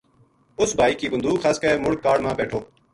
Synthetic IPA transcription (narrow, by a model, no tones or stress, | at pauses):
ʊsbʱaːiːkiːbənd̪uːxʰaːskəeːmʊɽkːaːɽmãːpɛːʈʰoː